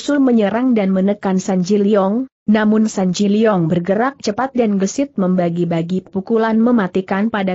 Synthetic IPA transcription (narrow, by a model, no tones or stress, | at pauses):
sʊlməɲəɾaŋdanmənəkansaɲd͡ʒiliɔŋ | namʊnsaɲd͡ʒiliɔŋbərɡəɾak̚t͡ʃəpat̪̚danɡəsɪt̪̚məmbaɡibaɡipukulanməmat̪ikanpada